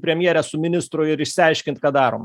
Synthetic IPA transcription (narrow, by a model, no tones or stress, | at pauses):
pʲɾʲɛmʲjɛɾʲɛsʊmʲɪnʲɪst̪ɾʊjɪɾɪʃsʲɪɐɪʃʲkʲɪnt̪kɑːd̪ɑːɾoːm